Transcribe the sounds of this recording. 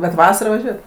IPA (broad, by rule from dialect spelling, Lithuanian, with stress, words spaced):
bʲɛt ˈʋɑːsɐrɑː ʋɐˈʒʲuɔjɛt